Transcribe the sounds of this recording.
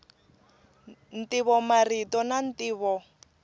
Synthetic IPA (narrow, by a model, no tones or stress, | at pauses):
n̩tiβɔmaritɔnan̩tʼiːβɔ